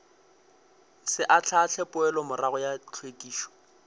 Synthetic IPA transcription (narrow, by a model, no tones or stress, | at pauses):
sɪʔat͡ɬʰat͡ɬʰɛpʼʊɛlɔmʊraɣʊjat͡ɬʰwetʼiːʃɔ̥